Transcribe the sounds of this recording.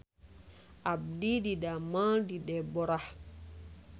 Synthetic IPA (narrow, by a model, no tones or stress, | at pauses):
ʔab̚dididamadidɛbɔɾah